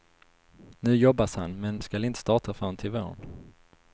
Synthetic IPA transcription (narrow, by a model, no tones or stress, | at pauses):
nʉ̟ːjɔbashanmɛnskalɪnt̪əst̪ɑːʈafoːnt̪ʰɪvo̰ːn